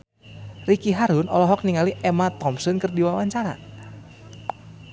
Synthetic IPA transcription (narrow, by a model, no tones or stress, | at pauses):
rikiɦaɾunɔ̰lɔɦɔk̚niŋaliʔɛmat̪ɔmsɔnkɨrdiwawaɲt͡ʃaɾa̰